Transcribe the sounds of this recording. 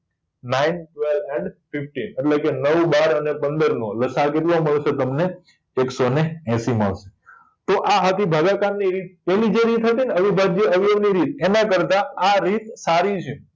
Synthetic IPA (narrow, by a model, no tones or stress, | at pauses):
nainʈʋelɛɳɖpifʈineʈlekenəʋbaɾənepənd̪əɾnõləsakeʈloməɭʃet̪əmneː | ksoneɛ̃sima̰ʋʃe̥ | t̪oʔaɦət̪ibʱaɡakanːiɾit̪̚pɛɦlid͡ʒeɾit̪ɦət̪ineəʋibʱadd͡ʒeəʋiəʋniɾit̪enakəɾt̪aaɾit̪saɾit͡ʃʰe